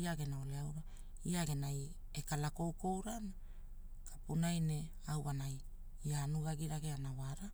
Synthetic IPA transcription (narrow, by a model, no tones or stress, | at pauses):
iaɡe̞nao̞leawɾa | iaɡe̞naj | ekalako̞wko̞wɾana | kḁpunajne̞ | awβanaj | ianuɡaɡiɾaɡe̞anawaɾa